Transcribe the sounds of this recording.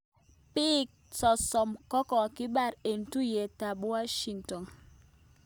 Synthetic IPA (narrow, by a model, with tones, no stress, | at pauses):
pi˦k̚sɔ˨sɔ˨mkɔ˦kɔ˨ki˦ɓa˦˨ɾe˨n̩˨tu˦je˨ta˨ɓwa˦ʃi˨ŋtɔ˨n